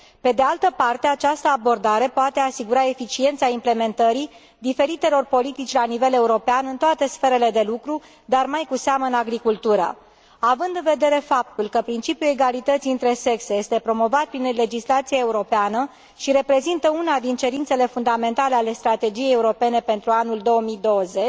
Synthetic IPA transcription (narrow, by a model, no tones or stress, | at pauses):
pe̞d̪e̞alt̪əpart̪e̞at͡ʃast̪əabo̞rd̪aɾe̞poat̪e̞asiɡuɾae̞fit͡ʃie̞nt̪saimple̞me̞nt̪əɾi | d̪ife̞ɾit̪e̞lo̞rpo̞lit̪it͡ʃʲlanive̞le̞uɾo̞peanɨnt̪oat̪e̞sfe̞ɾe̞le̞d̪e̞lukɾu | d̪armajkuseaməɨnaɡɾikult̪uɾa̰ | avɨnd̪ɨnve̞d̪e̞ɾe̞fap̚t̪ulkəpɾint͡ʃipjue̞ɡalit̪ət̪siɨnt̪ɾe̞se̞kseje̞st̪e̞pɾo̞mo̞vat̪̚pɾinle̞d͡ʒislat̪siae̞uɾo̞peanə | ʃiɾe̞pɾe̞zint̪əunad̪int͡ʃe̞ɾint̪sele̞fund̪ame̞nt̪ale̞ale̞st̪ɾat̪e̞d͡ʒijejeuɾo̞pe̞ne̞pe̞nt̪ɾuanuld̪o̞wəmid̪o̞wəzet͡ʃ